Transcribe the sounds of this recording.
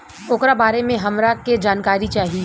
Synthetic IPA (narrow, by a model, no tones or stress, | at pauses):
ʊːkɾabaːɾemẽɦɐmɾaked͡ʒaːnkaːɾit͡ʃaːɦi